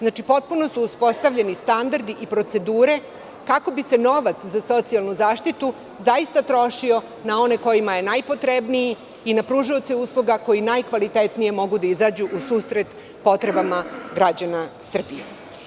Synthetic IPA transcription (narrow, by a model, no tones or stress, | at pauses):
znaːt͡ʃipo̞t̪̚puno̞suːspo̞st̪aʋʎenist̪and̪aɾd̪iʔipɾo̞t̪se̞d̪uːɾe̞ | kako̞bise̞no̞ʋat̪szaso̞t̪sialˠnuzaːʃt̪it̪u | zaist̪at̪ɾo̞ʃio̞ | nao̞ne̞ko̞jimaje̞najpo̞t̪ɾebnijiː | napɾuʒiot̪seuːslˠuɡako̞jinajkʋalit̪e̞t̪nije̞mo̞ɡud̪aizaːd͡ʑuʔusuːsɾet̪ | po̞t̪ɾe̞bamaɡɾad͡ʑanasr̩bije